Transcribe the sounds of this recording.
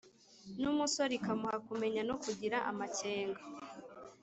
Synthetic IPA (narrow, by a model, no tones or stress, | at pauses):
numusoɾikamuhakume̞ɲanokuɟiɾaʔa̰mace̞ːŋɡa